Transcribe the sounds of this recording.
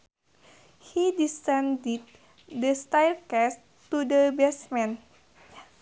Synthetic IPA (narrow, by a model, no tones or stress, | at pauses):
hidisɛ̃ndid̚ | dəst̪ajlkɛs | t̪udəbɛsmɛ̃n